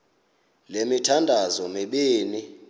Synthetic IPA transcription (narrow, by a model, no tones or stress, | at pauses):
lemitʰandʱazɔmiɓiːni